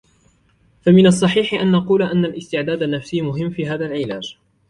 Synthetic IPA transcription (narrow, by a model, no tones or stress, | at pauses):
famɪnɑsˤːɑħiːħɪʔanːɑquːlʔanːalʔɪst̪ɪʕd̪aːd̪anːafsiːmʊɦɪmːfiːɦaːðalʕɪlaːd͡ʒ